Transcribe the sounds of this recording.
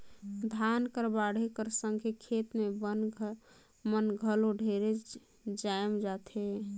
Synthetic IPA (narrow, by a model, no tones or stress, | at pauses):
d̪ʱankəɾbaɽ̤ekəɾsəŋɡʱekʰet̪meb | mənɡʱəloɖʱeɾe | d͡ʒajmd͡ʒat̪ʰe